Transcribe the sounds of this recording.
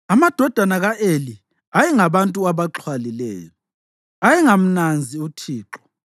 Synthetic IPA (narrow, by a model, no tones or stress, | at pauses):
amad̥ʱɔd̥ʱanaɣaʔeli | ajɛŋaβantʼuaβaǁʰwalilɛ̰ːjɔ | ajɛŋam̩nand͡zʱiutʰiːǁɔ̥